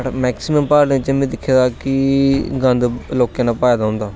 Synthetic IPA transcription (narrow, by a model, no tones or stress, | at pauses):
mɛːksiməmpaːɾnːɪt͡ʃmẽd̪ɪkʰːeːd̪aːkɪɡə̃nd̪loːkjẽːnaːpaːjd̪aːɦʊ̃nd̪aː